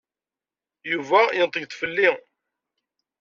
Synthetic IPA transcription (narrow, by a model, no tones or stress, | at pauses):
juvæjənt̪ˤəʝt̪fəlːi